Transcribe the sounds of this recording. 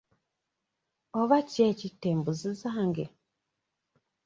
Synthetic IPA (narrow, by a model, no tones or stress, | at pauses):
oβacecitːeːmbuzizaːŋɡe